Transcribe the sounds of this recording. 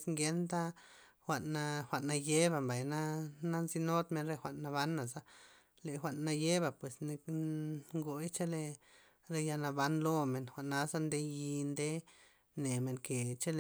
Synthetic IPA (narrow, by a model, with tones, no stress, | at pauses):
sŋɡe˧nd̪a˦ | xʷa˨ʔnːa˧xʷa˨ʔnːa˧je˦ba˧˨mba˨jna˦na˦nzi˦no˦d̪me˧nɾe˧xʷa˨ʔnːa˧βa˦nːa˨za˦ | le˨xʷa˨ʔnːa˧je˦ba˧˨pwe˨sne˧ | ŋɡo˧jt͡ʃa˦le˧ | ɾe˧ja˧na˧ba˦nlo˦me˨nxʷa˨ʔnːa˧za˦nd̪e˧ji˧nd̪e˦ | ne˨me˨ŋke˨t͡ʃa˦l